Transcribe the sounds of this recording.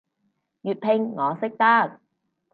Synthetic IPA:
jyː˨t̚pʰɪ˧ŋːɔː˨˧sɪ˥k̚t̪ɐ˥k̚

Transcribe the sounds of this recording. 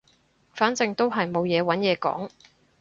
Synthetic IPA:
faː˨˥nt͡sɪ˨˧ŋt̪o˥wɦɐ˨jmo˨wjɛː˨˧wɐ˨˥njɛː˨˧kɔ̰ː˨˥ŋ

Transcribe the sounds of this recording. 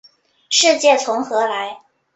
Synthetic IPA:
ʂɻ̩˥˧t͡ɕjɛ˥˩t͡sʰʊ˧˥ŋxɤ˧˥la˧˥ɪ

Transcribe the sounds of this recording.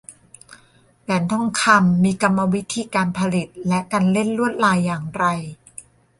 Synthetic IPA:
wɛ˩˦nt̪ʰɔ˥˩ŋkʰa˧mːiː˧ka˧mːa˧wi˦˥t̪ʰiː˧kaː˧npʰa˧li˨˩t̪̚lɛ˦˥ʔkaː˧nle˥˩nɾu˥˩ət̪̚laː˧jːaː˨˩ŋɾa˧j

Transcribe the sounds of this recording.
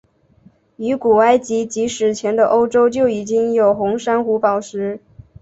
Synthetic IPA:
y˧˥ku˨˩a˥ɪt͡ɕi˧˥t͡ɕi˧˥ʂɻ̩˨˩t͡ɕʰjɛ˧˥nd̪ə˧ʔo˥ʊʈ͡ʂo˥ʊt͡ɕjo˥˩ʊi˨˩t͡ɕi˥ŋjo˨˩ʊxʊ˧˥ŋʂa˥nxu˧˥pɑ˨˩ʊʂɻ̩˧˥

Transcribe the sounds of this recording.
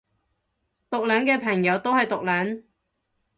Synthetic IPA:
t̪ʊ˨k̚lœː˨˥ŋkɛː˧pʰɐ˨˩ŋjɐ˨˧wt̪o˥whɐ˨jt̪ʊ˨k̚lœː˨˥ŋ

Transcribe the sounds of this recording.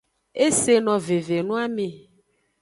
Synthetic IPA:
e˦se˨nɔ̃˨ve˨ve˨nũ˦a˦mẽ˨

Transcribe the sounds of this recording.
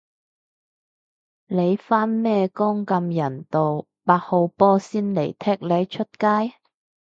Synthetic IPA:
le˨˧jfaː˥nmɛː˥kɔː˥ŋkɐ˧mjɐ˨˩nt̪o˨w | paː˧k̚ho˨˧wpɔː˥siː˥nle˨˩jt̪ʰɛː˥k̚le˨˧jt͡ʃʰɵ˥t̚kaː˥j

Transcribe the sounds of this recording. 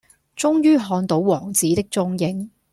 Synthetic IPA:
t͡sʊ˥ŋjyː˥ɦɔː˧nt̪o˨˥wwɔː˨˩ŋt͡siː˨˥t̪ɪ˥k̚t͡sʊ˥ŋjɪ˥ŋ

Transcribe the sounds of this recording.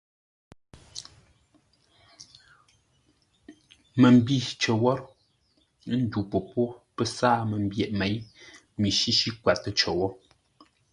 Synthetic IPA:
mə˨m˨bi˦˨t͡ʃə˨wɔ˦ | n̩˦du˨po˨po˦pə˦saː˦mə˨m˦bjɛ˨ʔme˨˦j | mi˨ʃi˦ʃi˦kwa˨tə˦t͡ʃə˨wɔ˦

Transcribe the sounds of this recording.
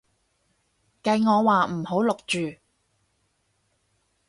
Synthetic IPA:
kɐ˧jŋɔː˨˧waː˨m̩˨˩ho˨˥wlʊ˨k̚t͡ʃyː˨

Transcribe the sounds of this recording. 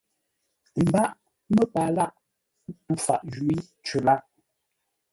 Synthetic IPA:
m̩˨ba˦ʔ | mə˦pa˨la˦˨ʔ̩˦ | tu˦fa̰˨ʔd͡ʒwi˦ | t͡ʃə˨la˦

